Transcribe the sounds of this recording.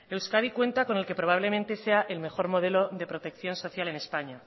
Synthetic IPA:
e̞wskað̞ikwe̞nt̪ako̞ne̞lke̞pɾo̞βaβ̞le̞mẽ̞nt̪e̞se̞aʔelme̞xo̞ɾmo̞ð̞e̞lo̞ðe̞pɾo̞t̪e̞kθjo̞nso̞θjale̞ne̞spaɲa

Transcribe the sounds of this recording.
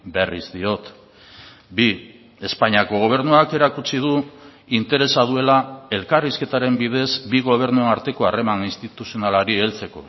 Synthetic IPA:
be̞rḭzd̪io̞t̪ | bi | e̞spaɲiako̞ɣ̞o̞β̞e̞ɾnuake̞ɾakut͡sið̞u | int̪e̞ɾe̞saðue̞lae̞lkariske̞t̪aɾe̞mbið̞e̞zbiɣo̞β̞e̞ɾnuenaɾt̪e̞ko̞are̞maninst̪it̪usio̞nalaɾie̞lt͡se̞ko̞̰

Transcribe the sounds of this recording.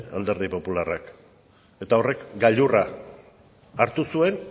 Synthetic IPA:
a̰ld̪e̞ɾðipo̞pularak | e̞t̪ao̞re̞kɡaʎura | ɾt̪usue̞n

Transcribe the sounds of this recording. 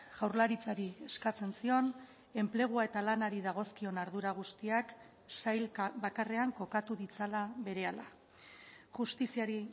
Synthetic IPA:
ɣ̥awɾlaɾit͡saɾie̞skat͡se̞nsio̞n | e̞mple̞ɣ̞uae̞t̪alanaɾiðaɣ̞o̞skio̞naɾðuɾaɣ̞ust̪iak | sajlβakare̞aŋko̞kat̪uðit͡salaβe̞ɾe̞ala̰ | ʝust̪isiaɾi

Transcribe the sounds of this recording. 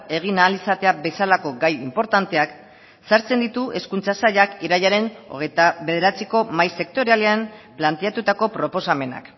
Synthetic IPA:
e̞ɣ̞inaːlisat̪e̞abe̞salako̞ɡajimpo̞ɾt̪ant̪e̞ak | saɾt͡se̞nd̪it̪uʔe̞skunt͡sasaʎakiɾaʎaɾe̞no̞̰ɣet̪aβe̞ðe̞ɾat͡siko̞majse̞k̚t̪o̞ɾealeamplant̪e̞at̪ut̪ako̞pɾo̞po̞same̞na̰k

